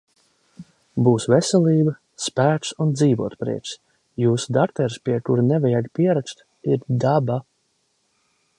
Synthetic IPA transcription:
buːsvesɛlʲˠiːbə | spæːt̪sund̪ziːvuɔt̪pɾḭɛt͡ʃ | juːsd̪akt̪ɛɾspʲiɛkuɾnɛvɛjat̪pʲiɛɾakst̪ | iɾd̪aba

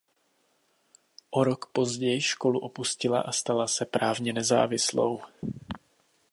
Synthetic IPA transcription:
ʔo̞ɾo̞kpo̞zɟɛjʃko̞luʔo̞puscɪla̰ʔast̪alasɛpɾaːvɲɛnɛza̰ːvɪslo̞̰w

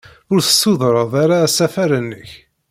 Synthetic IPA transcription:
ʊɾθə̥sːuðˤɾˤəðˤaɾasæfæɾənːəç

